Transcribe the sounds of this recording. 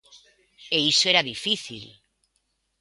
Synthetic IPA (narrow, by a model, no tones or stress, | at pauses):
eisoeɾaðifiθḭl